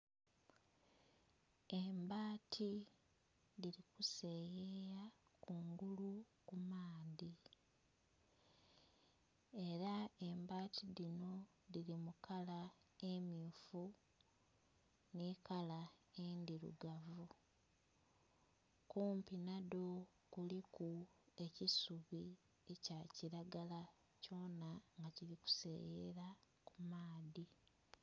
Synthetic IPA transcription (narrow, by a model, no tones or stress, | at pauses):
embaːtʰi | ðiɾikuse̞jejakuŋɡulukumaːði | e̞ɾaembaːtʰiðino̞ | ðiɾimukala | e̞muːfu | nikalae̞ndiɾṵɡavu | kuːmpinado̞ | kulikue̞cisuβi | ecaciɾaɡala | co̞ːnaŋɡaciɾiku̥sḛjeɾa | kumaːði